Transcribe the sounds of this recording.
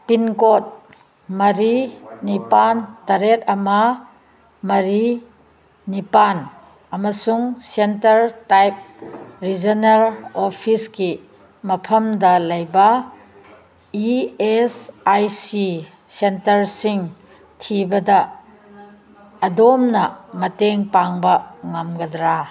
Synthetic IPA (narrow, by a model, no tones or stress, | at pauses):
pinkot̚ | mɐɾinipantɐɾet̚ɐmɐ | mɐɾi | nipan | ɐmɐsuŋsentɐɾtajp̚ɾid͡ʒɐnɐɾopʰiski | mɐpʰɐmdɐlɐjbɐ | iesajsi | sentɐɾsiŋ | tʰibɐdɐ | domnɐmɐteŋpaŋbɐŋamɡɐdɾa